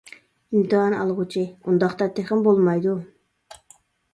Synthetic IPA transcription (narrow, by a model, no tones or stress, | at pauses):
imt̪ʰɨɦɑnɑ̰lˠʁut͡ʃʰiund̪ɑχt̪ɑt̪ʰeχɪmbolˠmɑjd̪u